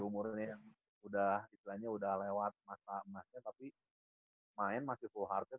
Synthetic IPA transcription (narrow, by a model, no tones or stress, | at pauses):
umuɾnɲajaŋ | udahist̪ilaɲaudahlewat̪̚masaəmasɲat̪api | maɛnmasɪhfulɦart̪ɛ